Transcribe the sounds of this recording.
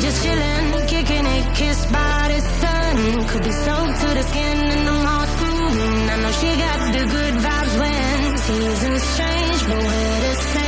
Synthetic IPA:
d͡ʒʌsʃɪlˠɪ̃n | kɪkɪ̃nɪkʰɪsbaɪɾɪz̥sʌ | n̩ | kʰɨd̚bisoʊtʰɨɾɨskɪ̃nɨ̃nðomɔ | fu | nanoʊʃiɡɑt̪̚ðɨɡʊd̚vabzwɛ̃ | n | z̥iʌzɨ̃nstʰɹ̥ẽɪ̃nd͡ʒbəwɨ | ɾɨs

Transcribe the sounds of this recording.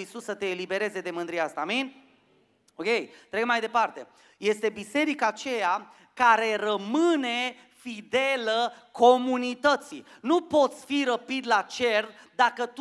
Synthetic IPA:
isusːət̪e̞ːlibe̞ɾe̞ze̞d̪e̞mɨnd̪ɾijast̪aminʲ | oke̞jt̪ɾeɡmajd̪e̞part̪e̞̰ | je̞st̪e̞bise̞ɾikaːt͡ʃe̞ja | kaɾe̞rəmɨne̞ | fid̪e̞ləko̞munit̪ət̪si | nupo̞t̪sʲfiɾəpid̪lat͡ʃe̞r | d̪akət̪

